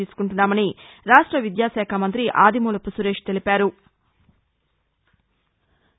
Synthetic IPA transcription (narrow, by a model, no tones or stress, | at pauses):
iːsu̥kuɳʈunːaːmɐniɾaːʂʈɾɐʋid̪jaːʃɛːkʰɐmɐnt̪ɾiʔaːd̪ʱimuːlɐpusuɾe̞ːʂt̪e̞lipaːɾu